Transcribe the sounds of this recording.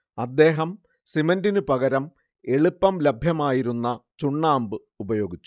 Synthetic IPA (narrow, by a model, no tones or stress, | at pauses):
ɐd̪ːe̞ːɦɐm | simɐndinɨpɐɣɐɾɐm | e̞ɭupːɐmlɐbʱjɐmaːjiɾunːɐt͡ɕuɳːaːmbɨ | ubɐjo̞ːɡit͡ɕːu̥